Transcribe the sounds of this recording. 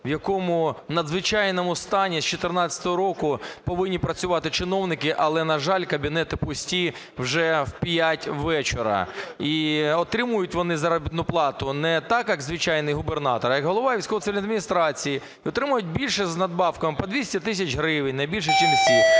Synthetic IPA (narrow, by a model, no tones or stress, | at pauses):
ʋjɐkɔmʊnɐd̪zʋɪt͡ʃɑjnɔmʊst̪ɑnʲisʲt͡ʃɔt̪ɪrnɑt͡sʲɐ̥t̪ɔɦɔɾɔkʊpɔʋɪnʲːipɾɐt͡sʲʊʋɑt̪ɪt͡ʃɪnɔwnɪkɪʔɐlˠɛnɐʒɑlʲkɐbʲinɛt̪ɪpʊsʲtʲi | wʒɛwpʲjatʲʋɛt͡ʃeɾɐ̰iɔt̪ɾɪmʊjʊtʲʋɔnɪzɐɾɐbʲit̪nʊplˠɑt̪ʊnɛt̪ɑkjɐɡzʋɪt͡ʃɑjnɪjɦʊbernɑt̪ɔɾjɐkɦɔlˠɔʋɑʋʲijsʲkɔʋɔt̪sɪʋʲilʲɐd̪mʲinʲist̪ɾɑt͡sʲiji | ɔt̪ɾɪmʊjʊt̚ʲbʲilʲʃɛznɐd̪̚bɑwkɐmɪpɔd̪ʲʋʲisʲtʲɛt̪ɪs̬ʲɐt͡ʃɦɾɪʋɪnʲnɐjbʲilʲʃ̬ɛt͡ʃimʲi